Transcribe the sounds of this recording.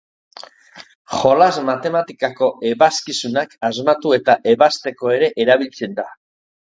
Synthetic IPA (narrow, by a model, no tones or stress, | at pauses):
χo̞lazmat̪e̞mat̪ikako̞e̞βaskisunakazmat̪ue̞t̪aʔe̞βast̪e̞ko̞e̞ɾe̞ʔeɾaβ̞ilt͡se̞nd̪a